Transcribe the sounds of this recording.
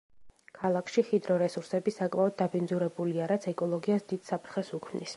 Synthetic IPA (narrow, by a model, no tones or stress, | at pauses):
kʰalˠakʰʃiχid̪ɾɔɾɛsuɾsɛbisakʼmaɔd̪̚ːabind̪zuɾɛbuliaɾat̪sʰɛkʼɔlˠɔɡiasd̪id̪̥sapʰɾχɛsukʰmnḭs